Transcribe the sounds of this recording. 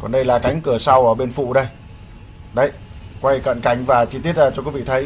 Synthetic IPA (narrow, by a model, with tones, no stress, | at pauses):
kɔ˨˩nɗə˧jlaː˨˩ka˨˦jŋ̟kɨ˧˩əsa˧wʔəː˧˩ɓe˧nfṵ˧˨ɗə˧j | ɗə˧˩jkwa˧jkə̰˧˨nka˧˩jŋ̟vaː˨˩t͡ɕi˧t̪i˦˥ət̚zaː˧˩t͡ɕɔ˧kwvḭ˧˨t̪ʰə˨˦j